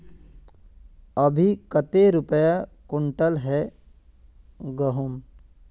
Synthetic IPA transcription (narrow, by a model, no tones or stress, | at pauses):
əbʱikət̪eɾʊpəjakʊɳʈəlɦɛ | ɡəɦʊm